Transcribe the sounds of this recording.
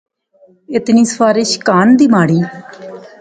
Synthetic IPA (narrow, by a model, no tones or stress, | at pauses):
ɪt̪niːsəfaːɾɪʃkaːnd̪iːmaːɽiː